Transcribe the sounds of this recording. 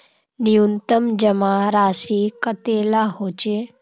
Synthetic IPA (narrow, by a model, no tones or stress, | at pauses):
nijunt̪əmd͡ʒəmãɾaːʃikət̪elaɦoːt͡ʃe